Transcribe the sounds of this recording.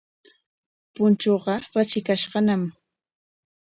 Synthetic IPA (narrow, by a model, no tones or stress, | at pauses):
pʊnt͡ʃoɢɑɾat͡ʃɪkaʃɢɑnam